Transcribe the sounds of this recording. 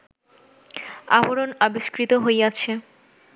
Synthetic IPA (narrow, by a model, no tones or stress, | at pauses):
aboɾonabiʃkɾit̪oɦojat͡ɕʰe